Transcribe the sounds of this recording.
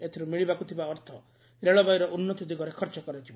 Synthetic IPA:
et̪ʰiɾumiɭibakut̪ʰibaɔɾt̪ʰɔ | ɾeɭɔbajɾɔʔunːɔt̪ud̪iɡɔɾekʰɔɾt͡ʃɔkɔɾed͡ʒʰib

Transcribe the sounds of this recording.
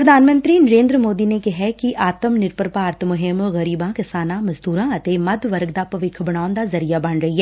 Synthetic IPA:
pɾəd̪ʱaːnmə̃nt̪ɾinəɾẽːnd̪ɾəmoːd̪inekɪɦɛkiʔaːt̪əmnɪɾpəɾpaːɾt̪mʊɦɪmɣɐɾiːbãkɪsaːnãmɐzd̪uːɾãːɐt̪emɐd̪ʱʋəɾɡd̪aːpɐʋɪkʰbɐɽaːʊnd̪azɐɾijabɐɳɾɐɦiɦɛː

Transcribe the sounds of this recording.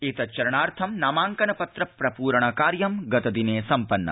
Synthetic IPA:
et̪ɐt͡ʃɐɾɐɳaːɾt̪ʰɐmnaːmaːŋkɐnɐpɐt̪ɾɐpɾɐpuːɾɐɳ̃ɐkaːɾjɐmɡɐt̪ɐd̪ineːsɐmpɐnːɐ̰

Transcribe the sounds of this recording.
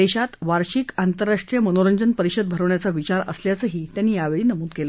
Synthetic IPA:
eɕat̪ʋaɾɕiːkant̪əɾːaʂʈɾijəmənoɾəɲd͡ʑənpəɾiɕəd̪̚bʱəɾəʋɳjat͡saʋit͡ɕaɾə̰sljat͡səɦiːt̪jãnːiːjaʋeɭiːnəmuːd̪̚kelə

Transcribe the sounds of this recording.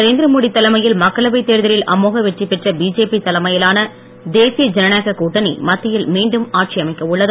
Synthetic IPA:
nɐɾeːnd̪ɪɾɐmoːɽit̪ːɐlɐmɐjɪlmɐkːɐɭɐʋɐɪt̪ːeːɾðɐɾɪlʔɐ̰moːɣɐʋɛʈripːɛʈrɐbiːd͡ʒeːpit̪ɐlɐmɐjɪlaːnɐ | d̪eːsɪjɐd͡ʒɛnɐnaːɣɐkuːʈːɐnḭmɐt̪ːɪjɪlmiːɳɖɯmaːʈ̚t͡ʃɪɐmɐɪkːɐʊɭːɐð

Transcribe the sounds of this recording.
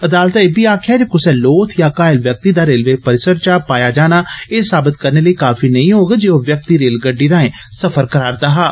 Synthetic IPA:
əd̪aːlt̪ːebiːaːkʰaːd͡ʒekʊsɛ̃ːloːt̪ʰjaːkaːɪlʋjək̚t̪iːd̪aːɾeːlʋeːpəɾɪsəɾt͡ʃaːpaːjaːd͡ʒaːñaːeːsaːbɪt̪kəɾneːləiːkaːfiːnəĩːɦoːɡad͡ʒeːoʋjək̚t̪iːɾeːlɡəɖːiːɾãːẽː | səfʰəɾkəɾaːɾd̪aːɦaː

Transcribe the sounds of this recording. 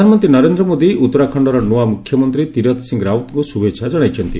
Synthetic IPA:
anɔmɔnt̪ɾinɔɾend̪ɾɔmod̪iʔut̪ːɔɾakʰɔɳɖɔɾɔnuwamukʰjɔmɔnt̪ɾit̪iɾɔt̪ʰsiŋɡɾawnt̪ŋkusubet͡ʃʰʃʰad͡ʒɔɽ̃ajt͡ʃʰɔnt̪i

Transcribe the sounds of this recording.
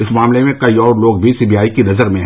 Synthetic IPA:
ɪsmaːmlemẽkɐiɔːɾloːɡbʱisiːbijaːikinɐzəɾmẽɦ

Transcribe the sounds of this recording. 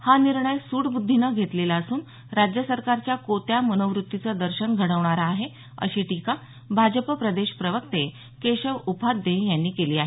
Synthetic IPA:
haniɾɳəjsuːɽbud̪ʱːinəɡʱet̪lelaəsuːn | ɾad͡ʑjəsəɾkaɾt͡ɕjakot̪jamənəʋɾut̪ːit͡səd̪əɾɕənɡʱəɽəʋɳ̃aɾaːɦe | ə̰ɕiːʈika | bʱad͡ʑəpəpɾəd̪eɕpɾəʋək̚t̪e | keɕəʋupʰad̪ːẽjanːiːkeliːaɦe

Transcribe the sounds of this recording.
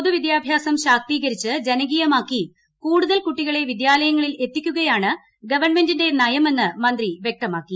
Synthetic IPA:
poðuʋid̪jaːbʱjaːsɐmɕaːk̚t̪iːɣɐɾit͡ɕːɨd͡ʑenɐɡiːjɐmaːkːi | kuːɽuðɐlkuʈːiɣɐɭe̞ʋid̪jaːlɐjɐŋːɐɭile̞t̪ːikʲːuɣɐjaːɳɨ | ɡɐʋɐrɳme̞ndinde̞nɐjɐme̞nːɨmɐnd̪riʋje̞k̚t̪ɐmaːkːi

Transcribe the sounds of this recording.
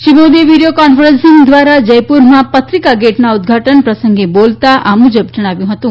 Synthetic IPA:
ʃibod̪iʋiɖijokɔnfʰəɾẽnsĩŋɡd̪ʋaɾad͡ʒəjpuɾmãpət̪ɾikaɡeʈnaud̪ɡʱaʈənpɾəsəŋɡebolt̪aʔamũd͡ʒəb̚d͡ʒəɽ̃aʋjũɦət̪ũ

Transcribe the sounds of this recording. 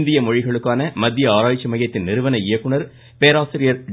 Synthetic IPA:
nd̪ɪjɐmɔɻɪɣɐɭɯkːaːnɐmɐd̪ːjɐaːɾaːjt͡ʃːɐmɐjɐt̪ːɪnnɪɾɯʋɐnɐɪjɐkːɯɳɐɾ | peːɾaːsɪɾɪjɐɾ

